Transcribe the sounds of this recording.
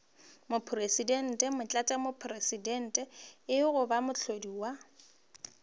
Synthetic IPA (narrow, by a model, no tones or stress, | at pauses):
mʊpʰresidɛn̩tʼɛmʊt͡ɬʼatʼamopʰresidɛn̩tʼɛɪɣʊbamʊt͡ɬʰodiwa